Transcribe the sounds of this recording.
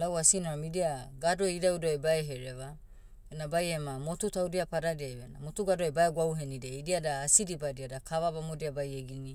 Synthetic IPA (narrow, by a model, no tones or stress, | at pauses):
lawasinoɾamidiaɡado̞idawdoajbaeɦeɾeβa | enabajemamo̞tutawdiapaɾadiajβena̰motuɡadoabaeɡwawɦenideidiadaːsidibadiadakaβabamodiabajeɡini